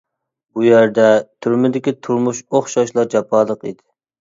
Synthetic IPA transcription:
bujæɾd̪ɛt̪ʰyɾmɪd̪ɪkʲit̪ʰuɾmuʃoχʃɑʃlˠɑɾd͡ʒɑpʰɑlˠəqḭd̪ɪ̥

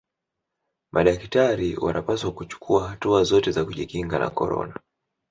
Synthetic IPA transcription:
mʔaɗaktaɾiwanʔapaswakut͡ʃu̥kʰuahatuazɔtɛzakuʄikiŋɡana̰kɔɾɔ̰na

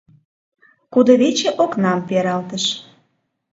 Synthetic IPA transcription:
kud̪ə̆βet͡ɕeʔoknɑmpeɾɑlt̪əʃ

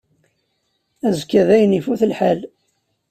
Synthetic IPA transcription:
æzkːæðæjənifuθəlħal

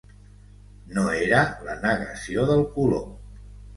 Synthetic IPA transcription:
noeɾələnəɣəsioðəlˠkulo

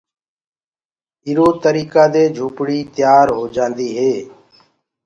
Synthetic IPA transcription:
ɪːɾoːt̪əɾiːkaːd̪eːd͡ʒʱuːpɽiːt̪ɪjaːɾɦoːd͡ʒãːnd̪iːɦeː

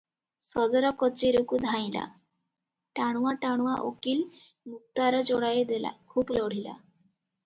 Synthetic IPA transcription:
sɔd̪ɔɾɔkɔt͡ʃeɾukud̪ʱaj̃la̰ | ʈaɽ̃uaʈaɽ̃uaʔo̰kil | muk̚t̪aɾɔd͡ʒɔɽajed̪ela̰kʰublɔɽ̤ila̰

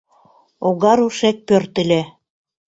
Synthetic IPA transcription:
oɣɑɾuʃek̚pørt̪ɘ̆lʲĕ

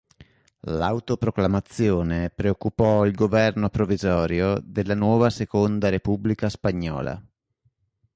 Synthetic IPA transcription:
lawt̪opɾoklamat̪sːjoːnepɾeokːupɔilɡovɛrnopɾovizɔːɾjod̪elːanwɔːvasekond̪aɾepublikaspaɲːɔ̰ːla̰

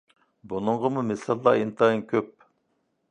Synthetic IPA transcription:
bunɨɴʁəmumɪsɑlˠːɑːint̪ʰɑinkʲʰøp̚

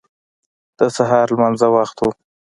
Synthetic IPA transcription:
d̪̥əsaɦɑɾlmanzawaxt̪u

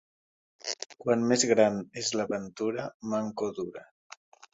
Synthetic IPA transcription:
kwanmezɣɾanezlaβənt̪uɾamaŋkoðuɾa

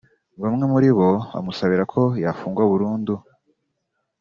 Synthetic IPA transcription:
βamŋe̞muɾiβo̞βa̰musaβiɾakʰo̞jafuːŋɡwauβuɾuːndu

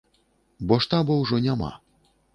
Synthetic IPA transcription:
bɔʂt̪abɔwʐɔnʲama̰

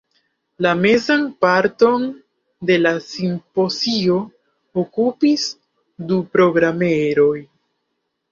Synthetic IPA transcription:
lame̞zanpaɾto̞n | de̞lasimpo̞zio̞ | okupis | dupɾo̞ɡɾame̞ɾo̞j

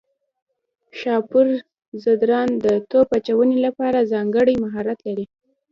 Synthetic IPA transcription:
ʃɑpuɾ | zad̪ɾɑnd̪ət̪opat͡ʃawənelapɑɾazɑŋɡəɽəjmaɦɑɾat̪laɾi

